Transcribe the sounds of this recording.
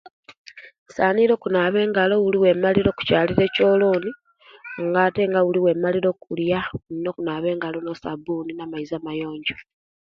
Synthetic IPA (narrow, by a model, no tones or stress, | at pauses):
saːniɾo̞ːkunaːβe̞ːŋɡalo̞wuliwe̞maliɾo̞ku̥caːliɾe̞ːco̞ːloːni | ŋɡaːte̞ŋɡawuliwe̞ːmaliɾo̞kuljanino̞kunaːβe̞ːŋɡalo̞no̞sabuːninamaizamajo̞ːɲɟo